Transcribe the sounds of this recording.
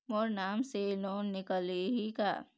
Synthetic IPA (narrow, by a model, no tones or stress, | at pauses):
moːɾnaːmseloːnːɪkəleɦika̰ː